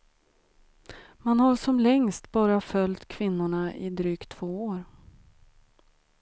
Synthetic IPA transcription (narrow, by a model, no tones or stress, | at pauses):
manhaɾʂɔmlɛŋst̪bɑːɾafœlt̪kʰvɪnːʊɳaʔɪ̰d̪ɾyːkt̪ʰv̥oːoːɾ